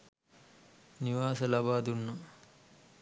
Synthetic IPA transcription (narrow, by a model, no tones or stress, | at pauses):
niʋaːsɐlɐbaːd̪unːu